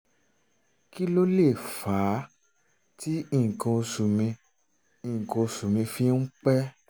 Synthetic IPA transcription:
ki˦lo˦le˦˨faː˨˦ | ti˦i˦˨ŋ̩˨kã˧o˧su˨mĩ˧ | ĩ˨ŋ̩˨kã˧o˧su˨mĩ˧fi˦n̩˦k͡pɛ˦

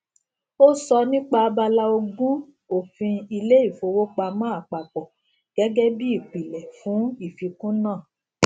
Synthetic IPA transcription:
o˦sɔ˧nĩ˦k͡pa˧a˦ba˧la˦o˧ɡũ˦ | o˦˨fĩ˧i˧le˦i˦˨fo˧wo˦k͡pa˧mã˦a˨k͡pa˨k͡pɔ˨ | ɡ̥ɛ˨˦ɡɛ˦bi˦i˦˨k͡pi˨lɛ˨fũ˨˦i˦˨fi˧kũ˦nãː˦˨

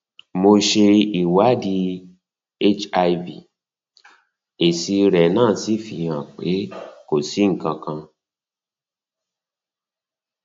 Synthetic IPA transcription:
mo˧ʃe˧i˨wa˨˦di˧ | e˦t͡ʃa˧i˧vḭ˨ | e˨si˧ɾɛ˨nãː˦˨si˨˦fi˨ã˨k͡pe˨˦ko˨si˨˦ŋ̩˨kã˧kã˧

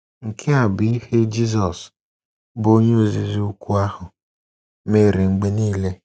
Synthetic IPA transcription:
ŋ̩˨kʰe˦a˨bɪ˨i˦he˦d͡ʒi˦zɔ˨s | bo˦ɲe˦o˦zi˨zi˦u˦kʷu˦a˦hʊ˨ | me˨ɾi˨ŋ͡m̩˨ɡ͡be˦niː˦le˦

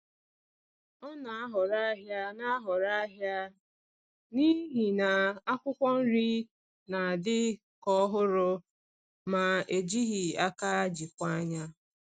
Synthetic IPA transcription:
ɔ˦na˨a˦ɦɔ˨ɾa˦ɦja˦na˦a˦ɦɔ˨ɾa˦ɦja˦ | ni˦ɦi˨na˨a˦kʷʊ˦kʷɔ˦n̩˦ɾi˦ | na˨a˨dɪ˦ | kɔ˦ɦʊ˦ɾʊ˦ | ma˨e˨d͡ʒi˦ɦi˨a˦ka˦a˦d͡ʒi˨kʷa˦ɲa˦

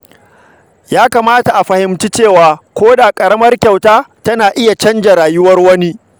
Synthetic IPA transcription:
jaː˦kaː˨maː˦ta˨ʔa˨ɸɐ˨hɪ˨mt͡ʃi˦t͡ʃeː˦˨waː˨kʷoː˦daː˨kʼɐ˨ɽɐ˦mɐ˦rkʲa˨wtaː˦tɐ˦naː˨ʔɪ˦ja˨t͡ʃɐ˦nd͡ʒa˨ɾaː˨jʊ˦wɐ˦rwɐ˦ni˦

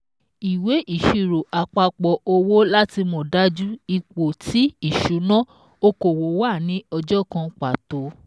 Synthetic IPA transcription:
i˨we˨˦ʔi˦˨ʃi˨˧˨ɾo˨ʔa˨k͡pa˧k͡pɔ˧o˧wo˦la˦ti˧mõ˨da˦d͡ʒu˦i˨k͡po˨ti˨˦i˦˨ʃu˨˦nã˦ | o˧ko˨wo˨˦wa˦˨nĩ˨˦ɔ˧d͡ʒɔ˦kã˧k͡pa˨to˨˦

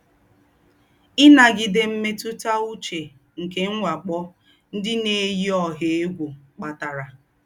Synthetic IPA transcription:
ɪ˦na˨ɡɪ˨de˦m̩˦me˦tu˦ta˦u˦t͡ʃe˨ | ŋ̩˨ke˦ŋ̩˦ŋʷa˨k͡pɔ˦ | n̩˦dɪ˦ne˨e˦ji˦ɔ˨ɦe˨e˦ɡʷo˨k͡pa˨ta˨ɾa˨

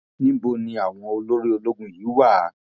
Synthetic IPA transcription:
nĩ˦bo˧nĩ˧a˨w̃ɔ̃˧o˧lo˦ɾi˦o˧lo˦ɡũ˦jiː˨˦wa˦˨˦

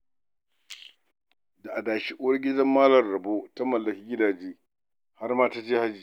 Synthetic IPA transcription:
da˨ʔa˨daː˨ʃi˦ʔʊ˦wɐ˦rɡʲɪ˦dɐ˦mːaː˦lɐ˨nɾɐ˨boː˦ta˦mɐ˨lːɐ˨kʲi˦ɡʲɪ˦daː˨d͡ʒeː˦ | ha˦rmaː˦taː˦d͡ʒeː˦ha˦d͡ʒiː˨

